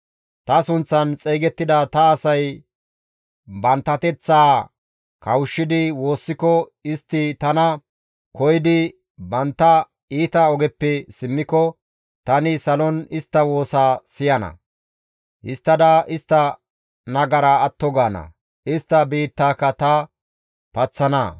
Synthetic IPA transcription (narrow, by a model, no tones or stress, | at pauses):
t̪ɐsʊnt͡sːɐnt͡sʼeːɡɛt̪ːɪd̪ɐt̪ɐːsɐj | bɐnt̪ːɐt̪ɛt͡sːaː | kɐwʃːɪd̪ɪwo̞ːsːɪkɔɪst̪ːɪt̪ɐnɐ | kɔjɪd̪ɪ | bɐnt̪ːɐ | iːt̪ɐɔɡɛpːɛsɪmːɪkɔ | t̪ɐnɪsɐlɔnɪst̪ːɐwo̞ːsaːsɪjɐnɐ̰ | hɪst̪ːɐd̪ɐʔɪst̪ːɐ | nɐɡɐɾaːt̪ːɔɡaːnɐ̰ | ɪst̪ːɐbiːt̪ːaːkːɐt̪ɐ | pɐt͡sːɐnɐ̰